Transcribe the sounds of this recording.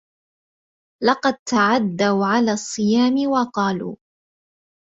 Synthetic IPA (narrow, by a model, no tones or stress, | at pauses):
lɑqɑd̪̚t̪aʕad̪ːawʕalaːsˤːɨjaːmɪwɑqɑːlṵː